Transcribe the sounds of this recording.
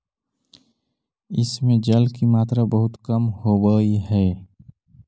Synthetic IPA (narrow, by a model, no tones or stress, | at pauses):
ɪ̰smẽd͡ʒəlkimaːt̪ɾabəɦʊt̪kəmhobəiɦɛː